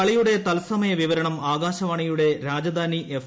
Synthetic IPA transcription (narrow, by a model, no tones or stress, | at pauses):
ɐɭijuɽe̞t̪ɐlsɐmɐjɐʋiʋɐɾɐɳɐmaːɣaːɕɐʋaːɳijuɽe̞ɾaːd͡ʑɐd̪ʱaːniʔef